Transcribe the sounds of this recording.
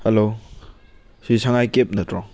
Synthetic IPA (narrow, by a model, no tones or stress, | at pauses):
helo | sisaŋajkep̚nɐtɾɔŋ